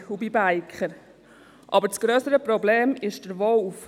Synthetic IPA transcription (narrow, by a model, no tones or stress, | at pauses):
hubibæɪkχəɾ | ʔɑbəɾt͡sɡ̥ɾøːsəɾəpɾɔbleːmɪʃd̥əɾvɔlf